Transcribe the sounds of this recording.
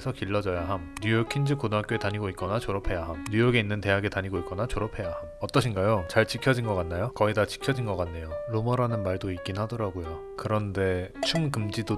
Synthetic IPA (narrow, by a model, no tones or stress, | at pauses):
sʰʌkiɭːʌd͡ʑʌjaɦamɲujokʰind͡ʑɯkodak͈oetaɲiɡoit̚k͈ʌnat͡ɕoɾʌpʰe̞jaɦamɲujoɡe̞inːɯnte̞ɦaɡe̞taɲiɡoit̚k͈ʌnat͡ɕoɾʌpʰe̞jahamʌt͈ʌɕʰinɡajot͡ɕaɭt͡ɕikʰjʌd͡ʑinɡʌk͈anːajokʌidat͡ɕi̥kʰjʌd͡ʑinɡʌk͈anːe̞joɾomʌɾanɯnmaɭdoik͈inhadʌɾaɡojo | kɯɾʌnde̞t͡ɕʰuŋkɯmd͡ʑido